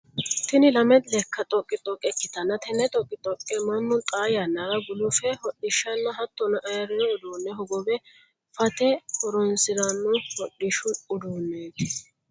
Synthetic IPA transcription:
t̪ɪnɪlɐmɛt̪lɛkʰːɐt̪ʼɔkʼːɪt̪ʼɔkʼɛkːɪt̪ɐnːɐt̪ʰɛnːɛt̪ʼɔkʼːɪt̪ʼɔkʼːɛmɐnːʊt̪ʼaːjɐnːɐɾɐɡʊluːfɛhɔɗɪʃːɐnːɐɦɐt̪ːɔnɐʔɐjɐɾɔɾɛʊd̪uːnːɛɦɔɡɔbɛ | fɐt̪ɛhɔɾɔnsɪd̪ɐnːʊhɔɗːɪʃʊʊd̪uːnːeːt̪ɪ̥

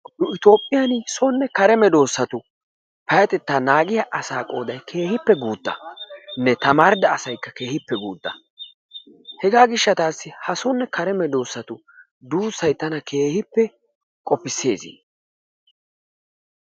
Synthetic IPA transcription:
nʊɪt̪o̞ːpʼːɪjɐnɪsɔnːɛkɐɾɛmɛd̪o̞ːsːɐt̪ʊ | pɐjɐt̪ɛt̪ːaːnaːɡɪjaʔɐsaːkʼo̞̰ːd̪ɐjkʰe̞ːhɪpːɛɡuːd̪̥ːɐ̰nɛt̪ɐmaːɾd̪ɐːsɐjkːɐke̞ːhɪpːɛɡuːd̪ːɐ̰ | hɛɡaːɡɪʃːɐt̪aːsːɪhɐsɔnːɛkɐɾɛmɛd̪o̞ːsːɐt̪ʊ | d̪uːsːɐjt̪ɐnɐke̞ːhɪpːɛ | kʼɔpːɪsːe̞ːzḭ

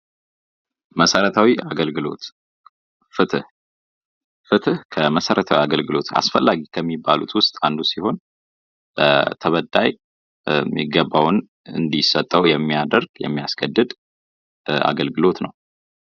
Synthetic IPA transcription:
məsəɾət̪ʰawiaɡəlɡɨlo̞̰t̪ | fɨt̪ɨh | fɨt̪ʰɨhkʰəməsəɾət̪ʰawiaɡəlɡɨlo̞t̪a̰sfəlːaɡikʰəmːibːalṵt̪wʊst̪ʼand̪usiho̞n | bət̪ʰəβəd̪ːaj | mːḭɡːəbːawn | ɨ̰nd̪isət̪ʼːəwjɛmːiad̪əɾɡjɛ̰mːiaskʰəd̪ːɨd̪ | a̰ɡəlɡɨlo̞t̪nəw

